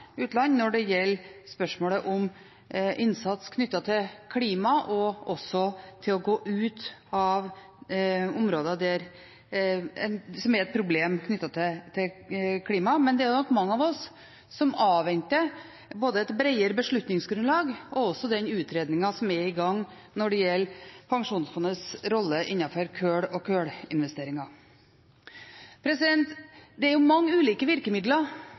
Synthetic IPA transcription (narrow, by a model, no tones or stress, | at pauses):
ʉːt̪lɑnːnɔɖɛjɛlːspœʂmoːləʔɔm | ʔɪnsɑt̪skʰnʏt̪ːɑt̪ʰɪlkʰliːmɑʔɔɔsɔt̪ʰɪlɔɡoːʔʉːt̪ɑʋ | ʊmɾoːd̪ɑd̪æɾ | ɛnsɔmæɾɛt̪̚pʰɾʊbleːmkʰnʏt̪ːɑt̪ʰɪt̪ʰɪkʰliːmɑmɛnd̪ɛæɾjʊnɔkːmɑŋːəɑʋɔsː | ɔmɑːʋɛnt̪ə | boːd̪əɛt̪bɾɛɪəɾəbəʂɭʉt̪nɪŋsɡɾʉnlɑːɡɔɔsːɔd̪ɛnʉːt̪ʰɾeːd̪nɪŋɑsɔmæɾɪɡɑŋː | nɔɖɛjɛlːpʰɑŋʂuːnsfɔnəsɾɔlːəʔɪnːɑfɔɾkʰøːɽɔkʰøːɽɪnʋɛst̪eːɾɪŋɑ | pʰɾɛsɪd̪ɛnt̪d̪ɛæɾjʊmɑŋːʉːliːkəʋɪɾkəmɪd̪lɑɾ